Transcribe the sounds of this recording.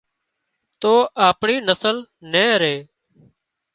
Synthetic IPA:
t̪oːʔaːpɳiːnəsəlnẽːɾeː

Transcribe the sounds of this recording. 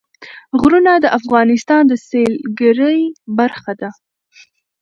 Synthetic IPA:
ɣɾunad̪əʔafɣɑnɪst̪ɑnd̪əselɡəɾəjbaɾxad̪a

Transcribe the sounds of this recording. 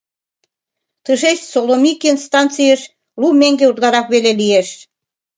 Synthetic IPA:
t̪əʃeʃsolomikinst̪ɑnt͡sijəʃ | lumeŋɡeut̪lɑɾɑkβelelieʃ

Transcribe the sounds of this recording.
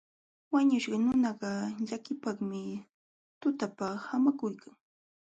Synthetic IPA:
waɲʊʃɢɑnʊnɑɢɑʎakɪpɑχmɪ | t̪ʊt̪apahamakʊjkʰaŋ

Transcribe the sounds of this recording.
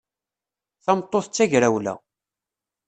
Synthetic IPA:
θɑmt̪ˤːoθt͡sːæʝɾæwlæ̰

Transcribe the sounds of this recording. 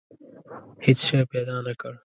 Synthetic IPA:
hit͡ʃʃepeːd̪aːnɐkɐɽ

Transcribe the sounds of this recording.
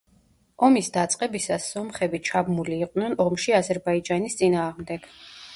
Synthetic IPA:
ɔmisd̪at̪sʼqʼɛbisasːɔmχɛbit͡ʃʰabmuliːqʼnɛnɔmʃiazɛɾbaid͡ʒanist̪sʼinaːʁmd̪ɛɡ̥

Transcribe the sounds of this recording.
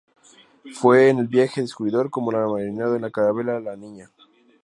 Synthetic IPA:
fwe̞ːne̞lbjexeðeskuiðo̞ɾko̞mo̞lamaðɾɾinaðoenlakaɾaβe̞lalanĩɲa

